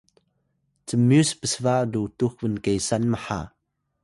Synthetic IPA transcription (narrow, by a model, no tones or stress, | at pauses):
t͡səmuspəsvaʔdutukvənkejsanməħa̰